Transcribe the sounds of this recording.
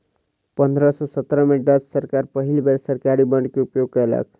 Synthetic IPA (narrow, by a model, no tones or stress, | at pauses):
pʌnd̪ʱɾʌsosʌt̪ɾʌmeɖʌssʌɾkaɾpʌɦilbeɽsʌɾkaɾibʌɳɖkeupjoɡ̚kʌlə̰k̚